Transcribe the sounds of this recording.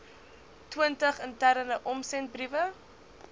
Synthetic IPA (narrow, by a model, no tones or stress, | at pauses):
twiəntəχəntæɾənəʔɔmsɛnt̚brivə